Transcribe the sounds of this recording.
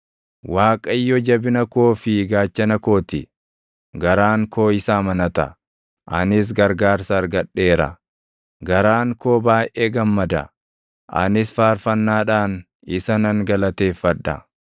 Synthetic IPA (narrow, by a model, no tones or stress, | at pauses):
waːkʼɐjːɔd͡ʒɐbɪnɐko̞ːfɪɡaːt͡ʃːɐnɐko̞ːt̪ɪ | ɡɐɾaːŋkʰo̞ːɪsaːmɐnɐt̪ɐ̰ | ʔɐ̰nɪs̬ɡɐɾɡaːɾsɐːɾɡɐᶑːe̞ːɾɐ̰ | ɡɐɾaːŋko̞ːbaːʔʔeːɡɐmːɐd̪ɐ̰ | ʔɐ̰nɪsfaːɾfɐnːaːᶑaːn | ɪsɐnɐŋɡɐlɐt̪e̞ːfːɐᶑːɐ̰